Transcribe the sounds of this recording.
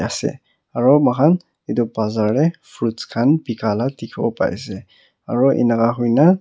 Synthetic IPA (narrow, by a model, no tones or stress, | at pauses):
asɛ̰ | aɹɔmakʰan | itɔbazaɹːɛfʰɹutkʰanbikaladikʰɔ̰pa̰jsɛ | a̰ɹɔʔɛ̰nakaɦujna